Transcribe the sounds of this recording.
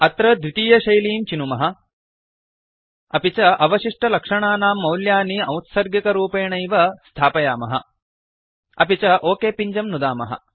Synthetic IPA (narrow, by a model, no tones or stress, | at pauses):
ɐt̪ɾɐd̪ʋit̪iːjɐʃɐjliːmt͡ʃinumɐɦɐ̆ | ɐpit͡ʃɐʔɐʋɐʃiʂʈɐlɐkʂɐɳaːnaːmːɐwljaːniɐwt̪sɐɾɡjikɐɾuːpeːɳɐjʋɐst̪ʰaːpɐjaːmɐɦɐ̰ | ɐpit͡ʃɐʔoːkeːpiɲd͡ʒɐmnud̪aːmɐ̰ɦɐ̰